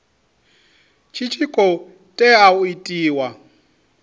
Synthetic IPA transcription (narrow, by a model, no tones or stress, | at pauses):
t͡ʃʰit͡ʃʰikʼɔ | tʼɛauitʼiːwa